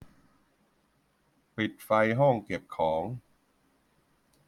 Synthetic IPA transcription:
pi˨˩t̪̚fa˧jɦɔ˥˩ŋke˨˩p̚kʰɔː˩˦ŋ

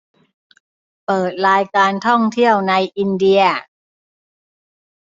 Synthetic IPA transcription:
pɤː˨˩t̪̚ɾaː˧jkaː˧nt̪ʰɔ˥˩ŋt̪ʰi˥˩əwna˧jʔi˧ndi˧ɐ

